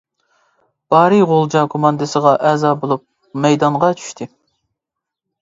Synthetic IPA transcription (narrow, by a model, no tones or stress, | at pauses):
b̥ɑːɾiʁolˠd͡ʒɑkʰomɑnd̪ɨsəʁɑʔɛːzɑbolˠup̚ | mɛjd̪ɑɴʁɑt͡ʃʰy̥ʃt̪ʰɪ